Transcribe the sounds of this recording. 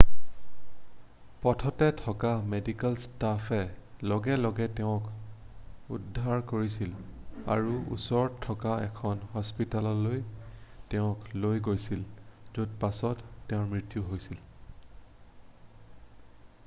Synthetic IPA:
pɔtʰɔtɛtʰɔkamedikalstafɛlɔɡɛlɔɡɛtɛʊ̃k | ṵdʱːaɹkoɹisila̰ɹuṵsɔɹtʰːɔkaɛ̰kʰɔnhɔspitalɔlojtɛʊ̃klojɡojsilzud̚pasɔtːɛʊ̃ɹmɹitjuɦojsil

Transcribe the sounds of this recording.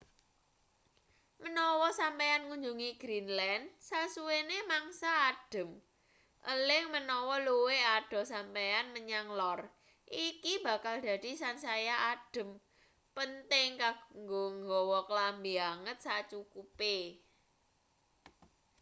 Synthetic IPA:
mənɔwɔsampeanŋuɲd͡ʒuŋiɡ̥ɾinlɛnsasuwenemaŋsaːd̥ə̤m | ʔəlɪŋmənɔwɔluwead̥ɔ̤sampeanməɲaŋlɔr | ʔikib̥ä̤kald̪̥ä̤d̪̥i̤sansajaʔad̥ə̤m | pənt̪ɪŋkaŋɡoŋɡɔwɔkəlambiaŋət̪̚sat͡ʃukupe

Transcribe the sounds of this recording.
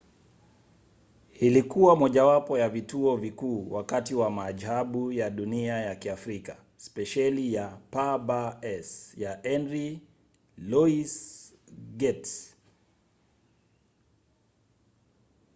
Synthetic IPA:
ilikuwamɔʄawapɔjavituɔvikuːwakatiwamaʄhaɓujaɗuniajakiafɾika | spɛʃalijapabaɛsjaʔɛnɾi | lɔis | ɡɛt

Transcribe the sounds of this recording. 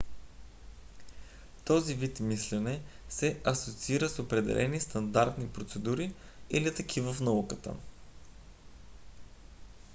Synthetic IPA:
t̪ɔzivit̪mislɛnɛsɛʔɐsot̪siiɾəsopɾɛd̪ɛ̰lʔɛnist̪ɐnd̪aɾt̪nipɾot̪sɛd̪uɾiilit̪əkʰivəfnɐukət̪ə̰

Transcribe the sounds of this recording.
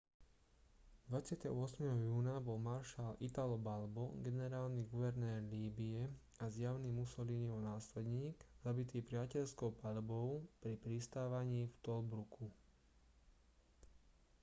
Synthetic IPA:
d̪ʋat͡sɪat̪ɛ̰ɦɔ̰ɔsmɛɦɔjuːnabɔlmaɾʃalit̪alɔbalbɔɡɛnɛɾaːlniɡuʋɛɾnɛːɾliːbiɛ | azjaʊnimusɔliniɔnaːslɛd̪ɲiːɡzabit̪iːpɾɪacɛʎskɔʊpaʎbɔʊpɾipɾist̪aːʋaɲiːft̪ɔlbɾukʰu

